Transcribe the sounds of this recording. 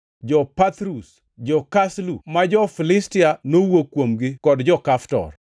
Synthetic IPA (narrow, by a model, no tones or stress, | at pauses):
d͡ʒɔpat̪ɾus | d͡ʒɔkaslumad͡ʒɔfilɪstɪanowokwomɡɪkɔdd͡ʒɔkaftɔ̰r